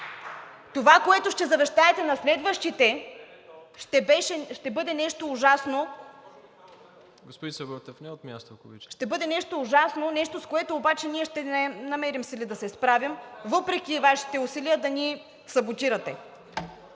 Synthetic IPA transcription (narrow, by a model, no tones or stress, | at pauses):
t̪ovakoɛt̪oʃt̪ɛzɐvɛʃt̪aɛt̪ɛnɐslɛd̪vəʃt̪it̪ɛ | ʃt̪ɛbɛʃɛʃt̪ɛbɤd̪ɛnɛʃt̪oːʒasno | ɡospod̪isɛbəɾt̪ɛfnɛot̪mʲjast̪okovit͡ʃʃt̪ɛbɤd̪ɛnɛʃt̪oːʒasnonɛʃt̪oskoɛt̪oːbat͡ʃɛniɛʃt̪ɛnɛnɐmɛɾimsilid̪ɐsɛspɾavimvɤpɾɛk̟ʲivaʃi̥t̪ɛusiliəd̪ɐni | sɐbot̪iɾɐt̪ɛ